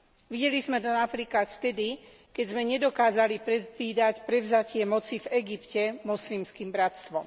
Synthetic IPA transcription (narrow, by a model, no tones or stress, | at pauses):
ʋiɟɛlizmɛd̪ɛafɾikasft̪ɛd̪i | kɛɟzmɛɲɛd̪ɔkaːzalipɾɛiːd̪acpɾɛvzacɪɛmɔt͡sivɛɡipcɛmɔslimskiːmbɾat̪st̪ʋɔm